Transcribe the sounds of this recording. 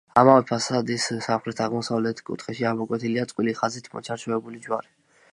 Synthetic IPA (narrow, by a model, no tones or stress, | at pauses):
a̰mavɛpʰasad̪issamχɾɛt̪ʰaʁmɔsavlɛt̪ʰkʼṵt̪ʰχɛʃiamɔkʼwɛt̪ʰiliat̪sʼwiliχazit̪ʰmɔ̰t͡ʃʰaɾt͡ʃʰɔɛbulid͡ʒwaɾi